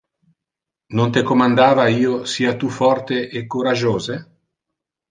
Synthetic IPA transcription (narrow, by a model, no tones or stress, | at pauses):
nont̪ekomand̪aːvaiːosiːat̪ufɔrt̪eʔekːoɾad͡ʒoːze